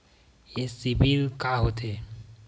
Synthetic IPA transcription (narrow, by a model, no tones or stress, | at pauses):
jesibʱilkaɦot̪e